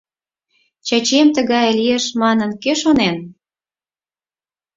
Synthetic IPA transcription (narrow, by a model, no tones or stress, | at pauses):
t͡ɕɑt͡ɕemt̪əɣɑjlijeʃmɑnənkeʃonen